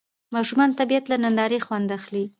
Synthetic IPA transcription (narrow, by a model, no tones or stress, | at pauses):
mɑʃumɑnt̪abiat̪lanand̪ɑɾexwand̪axli